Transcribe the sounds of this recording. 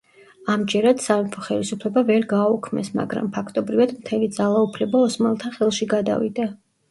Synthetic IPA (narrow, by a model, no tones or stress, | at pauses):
amd͡ʒɛɾad̪̥savipʰɔχɛlisupʰlɛbavɛɾɡaːukʰmɛ̰sma̰ɡɾa̰mpʰakʰt̪ʼɔbɾivad̪mt̪ʰɛlid̪zalˠaupʰlɛbaɔsmalˠt̪ʰaχɛlˠʃiɡad̪a̰vḭd̪a